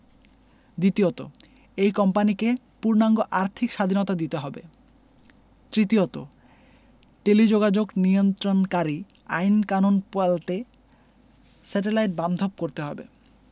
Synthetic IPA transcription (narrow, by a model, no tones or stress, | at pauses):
d̪it̪iot̪o̰ | ejkɔmpanike | puɾnaŋɡoʔaɾt̪ʰikʃad̪ʱinot̪ad̪it̪eɦɔbḛ | t̪ɾit̪iot̪o̰ | ʈelid͡ʑoɡad͡ʑoɡniont̪ɾonkaɾi | a̰jnkanonpalt̪e | sɛʈ̬elajʈ̚band̪ʱob̚koɾt̪eɦɔbḛ